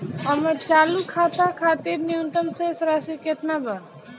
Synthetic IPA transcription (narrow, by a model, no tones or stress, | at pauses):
ɦəməɾt͡ʃaːlukʰaːt̪akʰaːt̪iɾniũnt̪əmsesɾaːsiket̪naba